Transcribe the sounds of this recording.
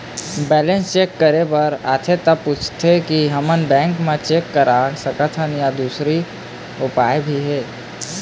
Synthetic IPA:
bɛːlẽnst͡ʃeːkːəɾepəɾa̰ːt̪ʰet̪əpuːt͡ʃʰt̪ʰekiɦəmənbɛ̃ːŋkmẽt͡ʃeːkːəɾasəkət̪ʰɦənjad̪uːsɾi | ʊpaːebʱiɦɛː

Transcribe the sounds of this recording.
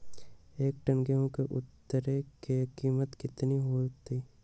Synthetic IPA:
eːk̚ʈənɡeɦõkeʔʊt̪ːəɾekekiːmət̪kɪt̪niɦot̪ʰiː

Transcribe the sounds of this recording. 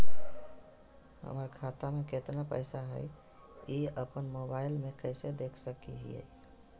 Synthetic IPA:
ɦə̰məɾkʰat̪ameket̪napə̰ɪsaɦə̰ | iəpənmobaɪlmekəɪsed̪ekʰsəkḭɦḭə̰

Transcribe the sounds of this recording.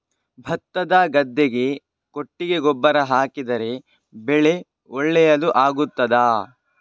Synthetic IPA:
bʱɐt̪ːɐd̪aːɡɐd̪ːeɡe̞ | ko̞ʈːiɡe̞ɡɔbːɐɾɐɦaːkid̪ɐɾe̞ | bɛɭe̞ | ɔɭːɛjɐluʔaːɡut̪ːɐd̪aː

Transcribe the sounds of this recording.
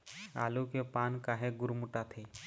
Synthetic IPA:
a̰ːlukepaːnkaːɦeɡʊɾmʊʈat̪ʰeː

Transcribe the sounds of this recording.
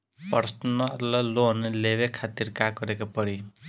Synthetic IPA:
pʌɾsnlʌloɦneleβekʰat̪irkaɡʌɾekapʌɽi

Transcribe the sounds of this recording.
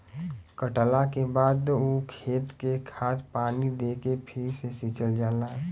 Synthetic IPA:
kəʈəlakebaːd̪okʰeːt̪kekʰaːt̪ʰpaːnid̪eːkepʰɪɾsesit͡ʃəld͡ʒaːlaɦ

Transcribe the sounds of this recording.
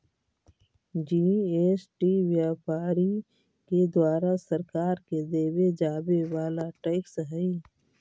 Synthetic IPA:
d͡ʒiːeːsʈiʋjaːpaːɾi | ked̪waːɾasɐɾkaːɾked̪eːwed͡ʒaːbeʋaːlaʈeɪksɦɛi

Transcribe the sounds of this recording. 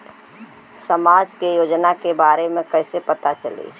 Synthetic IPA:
səmaːd͡ʒkejoːd͡ʒnakebaːɾemẽkɛɪsepət̪at͡ʃəlḭː

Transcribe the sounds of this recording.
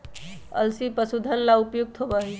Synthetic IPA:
ə̰lsipəsud̪ʱənlaupjuɡ̚t̪ʰɦobaɦi

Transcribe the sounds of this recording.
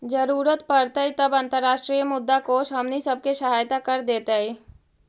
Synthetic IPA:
d͡ʒəɾuːɾət̪pɐɾt̪əit̪ɐbɐ̃nt̪əɾːaːʃʈɾiːjəmʊd̪ːakoːʃɦɐmnisɐb̚keʃɐɦaːjt̪akɐɾd̪eːt̪aiː

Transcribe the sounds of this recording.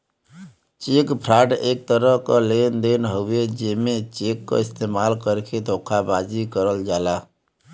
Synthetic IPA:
t͡ʃekpʰɾaʈek̚t̪əɾəɦkəlend̪enɦoʊed͡ʒemet͡ʃekːə̰ist̪emalkəɾkʰed̪ʱokʰabad͡ʒikəɾəld͡ʒala

